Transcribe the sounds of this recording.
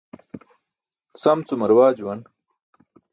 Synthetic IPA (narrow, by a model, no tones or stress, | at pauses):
sɐmt͡sumɐɾwaːd͡ʑwɐn